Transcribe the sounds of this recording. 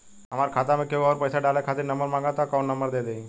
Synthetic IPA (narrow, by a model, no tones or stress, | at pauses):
ɦɐmaːɾkʰaːt̪amẽkewɔːɾpɐjsaɖaːlekʰaːt̪ɪɾnɐmbəɾmãːŋɡat̪akaːnːɐmbəɾd̪eːd̪ei